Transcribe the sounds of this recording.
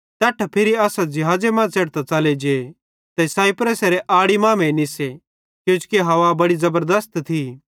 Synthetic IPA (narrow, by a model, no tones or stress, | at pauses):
t̪ɛːʈʰapʰɪɾiaːsad͡ʒɪɦaːd͡zemãt͡seːɽt̪at͡sɐled͡ʒe | t̪ɛsaːipɾəseɾeʔaːɽimãːmẽnɪse | kjũːt͡ʃʊ̥keɦɐʋabɐɽizɐbəɾd̪əst̪t̪ʰi